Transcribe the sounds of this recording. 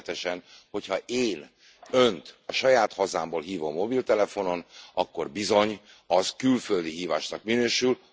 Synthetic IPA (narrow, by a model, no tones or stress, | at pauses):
t̪ɛʃɛnho̞chɒʔeːn | ø̞nt̪ɒʃɒjaːt̪hɒzaːmboːlɦiːvo̞mːo̞bilt̪ɛlɛfo̞no̞nɒkːo̞rbizo̞ɲ | ɒzkylfø̞ld̪iɦiːvaːʃnɒkminøːʃyl